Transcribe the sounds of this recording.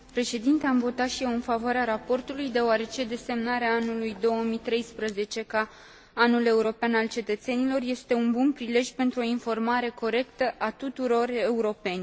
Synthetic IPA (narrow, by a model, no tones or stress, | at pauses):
pɾe̞ʃe̞d̪int̪eamvo̞t̪at̪ʃije̞wɨnfavoaɾeaɾapo̞rt̪ulujd̪e̞oaɾe̞t͡ʃe̞d̪e̞se̞mnaɾeaanulujd̪o̞wəmit̪ɾe̞jspɾəze̞t͡ʃe̞kaː | nule̞uɾo̞peanalt͡ʃe̞t̪ət̪se̞nilo̞rje̞st̪e̞unbunpɾile̞ʒʲpe̞nt̪ɾuo̞info̞rmaɾe̞ko̞ɾe̞kt̪əʔat̪ut̪uɾo̞re̞uɾo̞pe̞nʲ